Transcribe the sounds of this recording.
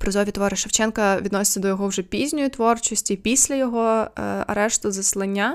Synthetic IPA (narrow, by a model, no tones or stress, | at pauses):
pɾɪzɔʋʲit̪ɔʋɔɾɪʃɐwt͡ʃɛnkɐʋʲid̪nɔsʲɪ̥t͡sʲɐd̪ɔjɔɦɔwʒɛpʲizʲnʲɔjit̪ʋɔrt͡ʃɔsʲtʲipʲisʲlʲɐjɔɦɔɐ̰ɾɛʃt̪ʊzɐslˠɐnʲːa